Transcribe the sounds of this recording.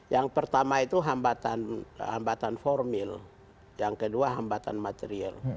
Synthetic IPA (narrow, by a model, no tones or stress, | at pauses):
jaŋpərt̪amait̪uɦambat̪anha̰mbat̪anfɔrmil | jaŋkəduaɦambat̪a̰nmat̪eɾia̰l